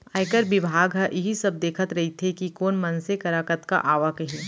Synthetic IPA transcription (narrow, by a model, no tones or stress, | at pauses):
aːɪkəɾbɪbʱaːɡɦɐʔɪɦisɐb̚d̪eːkʰət̪ɾɐɦit̪ʰekikoːnmɐnsekɐɾaːkət̪ka̰ʔaːʋakɐɦĩː